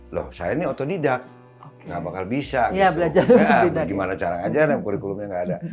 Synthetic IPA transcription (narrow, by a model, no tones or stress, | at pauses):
lɔ̰hsa̰janiɔt̪ɔdidak̚ | ŋɡabakalbisajabəlad͡ʒaɾaidaɡimanat͡ʃaɾaŋad͡ʒanamkuɾikulumɲaŋɡaːda